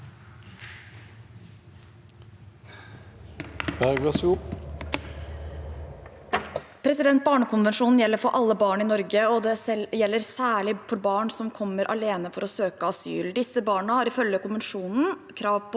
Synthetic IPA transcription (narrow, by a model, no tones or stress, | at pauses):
b̥æɡɑs | pʰɾɛsɪd̪ɛnt̪̚bɑːɳəkʰʊnʋɛnʂuːnn̩jɛlːəɾfɔɾʔɑlːəbɑːɳɪnɔɾɡəɔd̪ɛjɛlːəɾsæːɭɪfɔɾbɑːɳsɔmkʰɔmːəɾʔɑ̰leːnəfɔɾɔsøːkəɑsy̰ːld̪ɪsːəbɑːɳəhɑɾɪfœljəkʊnʋɛnʂuːnn̩kʰɾɑːʋpɔ